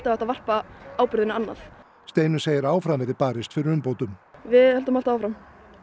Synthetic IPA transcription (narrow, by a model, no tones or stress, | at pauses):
t̪aɛht̪avar̥paaːwpʏɾðɪnɪanːa̰θ | st̪eːjnʏseːjɪɾaːwfɾamvɛɾɪpaːɾɪst̪fɪɾɪɾʏmpoːwt̪ʏmvɪðhɛlt̪ʏmal̥t̪aaːwfɾam